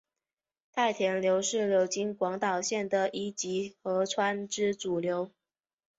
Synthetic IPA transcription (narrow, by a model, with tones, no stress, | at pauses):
t̪ʰa˥˩ɪt̪ʰjɛ˧˥nljo˧˥ʊʂɻ̩˥˩ljo˧˥ʊt͡ɕi˥nkwɑ˧˥ŋt̪ɑ˨˩ʊɕjɛ˥˩nd̪ə˩ʔi˥t͡ɕi˧˥xɤ˧˥ʈ͡ʂʰwa˥nʈ͡ʂɻ̩˥ʈ͡ʂu˨˩ljo˧˥ʊ